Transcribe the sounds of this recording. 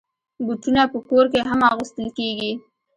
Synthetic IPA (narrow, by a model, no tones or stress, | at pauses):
buʈunapəkoɾk̬eɦamɑɣəst̪əlkeɡi